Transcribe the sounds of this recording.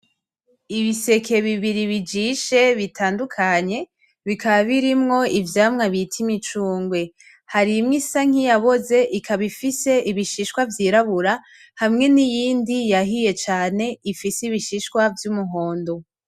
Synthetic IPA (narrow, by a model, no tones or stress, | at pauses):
iβise̞kʰe̞βiβiɾiβid͡ʒiʃe̞βitʰaːndukʰaɲe̞ | βikaβaβiɾimŋo̞ivjaːmŋaβitʰimit͡ʃuːŋɡwe̞ | haɾimŋisaŋ̥ijaβo̞ze̞ʔikʰaβifise̞ʔiβiʃiʃkwavjiːɾaβuɾa | hamŋe̞nijiːndijaɦije̞t͡ʃaːne̞ifisiβiʃiʃkwavjumuɦo̞ːndo̞